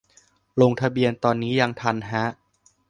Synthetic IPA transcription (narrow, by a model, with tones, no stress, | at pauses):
lo˧ŋt̪ʰa˧bi˧ənt̪ɔː˧nːiː˦˥ja˧ŋt̪ʰa˧nɦa˦˥ʔ